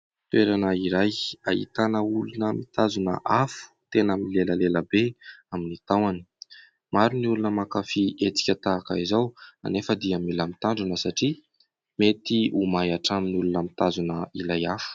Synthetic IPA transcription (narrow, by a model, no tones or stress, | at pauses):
t̪ueɾanəiɾaja̰ḭt̪anəulunəmit̪azunə̰ʔafu̥t̪enaminileləleləbeaminit̪awani̥ | maɾuniulunəmakafiet͡si̥kʲət̪aːkəizawa̰nefəd̪iamilamit̪aɳɖ͡ʐanəsaʈ͡ʂi | met̪iumajaʈ͡ʂaminiulunəmit̪azunəilajafu̥